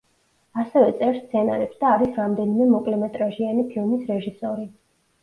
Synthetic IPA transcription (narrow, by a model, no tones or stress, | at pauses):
asɛvɛt̪sʼɛɾst̪sʰɛna̰ɾɛpsd̪aːɾisɾamd̪ɛnimɛmɔkʼlɛmɛt̪ʼɾaʒianipʰilˠmisɾɛʒisɔɾi